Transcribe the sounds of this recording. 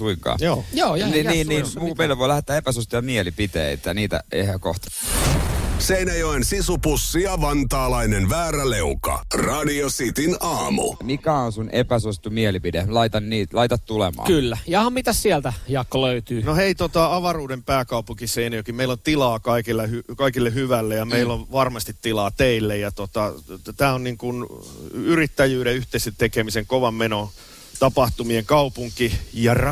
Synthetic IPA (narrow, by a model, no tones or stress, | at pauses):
suiŋkɑ̰ːjoːjoːjniniːnniːmuːmeilːeʋoilæhet̪ːˑæːepæsust̪ijɑmielipit̪ḛˑit̪jɑniːt̪æ̰ḛhæko̰ht̪ɑ̥ | seinæjoensisupusːijɑʋɑnt̪ɑːlɑinenʋæːɾæleukɑ̰rɑdiosit̪inɑːmṵmikæonsunʔḛpæsust̪ːumielipidelɑit̪ɑnniːlɑit̪ɑt̪t̪ulḛmɑ̰ːkylːæjɑhɑmmit̪æssiɛlt̪æjɑkːoløyt̪yːnoheit̪ot̪ɑɑʋɑruːdempæːkɑupuŋkiseinojokimmeilont̪ilɑːkɑikilːehykɑikilːehyʋælːejɑmeilːoʋʋɑrmɑst̪it̪tilɑːt̪eilːejɑt̪ot̪ɑt̪æːonniŋkun | yrit̪ːæjyːɾeyht̪eiset̪ekemiseŋkoʋɑmmeno | t̪ɑpɑht̪umieŋkɑupuŋkijɑr